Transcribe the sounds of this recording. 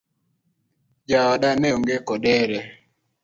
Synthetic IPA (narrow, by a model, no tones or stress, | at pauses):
d͡ʒaɔɗanɛoŋɡekɔɗɛɾɛ